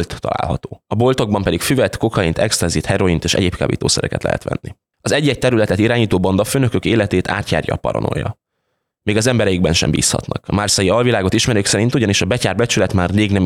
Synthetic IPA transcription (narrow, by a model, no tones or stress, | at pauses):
lt̪ːɒ̰la̰ːlɦɒt̪oːɒbo̞lt̪o̞ɡ̚bɒmpɛd̪ikfyvɛt̪ko̞kɒint̪ʰɛkst̪ɛnzit̪hɛɾo̞int̪eːʃɛ̰ɟeːp̚kʰa̰ːbḭːt̪o̰ːsɛɾɛ̰kɛt̪lɛ̰ɦɛ̰t̪ʋɛ̰nːi | ɒzɛɟːɛc̚t̪ɛɾylɛt̪ɛt̪iɾaːɲiːt̪oːbond̪ɒføːnø̞køkeːlɛt̪eːt̪ʰa̰ːt̪ja̰ːrjɒ̰pɒ̰ɾo̰no̞̰jːɒ̰ | meːɡɒzɛmbɛɾɛjiɡ̚bɛnʃɛ̰mbḭːshɒ̰t̪nɒ̰kɒmarsɒjiɒlvilaːɡo̞t̪iʃmɛɾøːksɛɾint̪uɟɒniʃɒbɛcaːrbɛt͡ʃylɛt̪maːrleːɡnɛm